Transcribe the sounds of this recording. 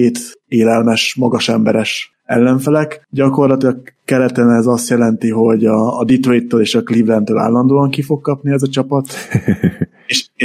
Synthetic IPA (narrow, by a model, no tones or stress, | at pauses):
eːt̪eːlɛlmɛʃmɒɡɒʃɛmbɛɾɛʃ | ɛ̰lːɛɱfɛlɛkɟɒko̞rlɒt̪ilɒkkɛɾɛt̪ɛnɛzɒst̪jɛlɛnt̪iɦo̞ɟɒːd̪it̪ojit̪ːøːleːʃɒklivlɛnt̪øːla̰ːlːɒnd̪oːɒŋkifo̞kːɒpniɛzɒt͡ʃɒpɒt̪ | eʃ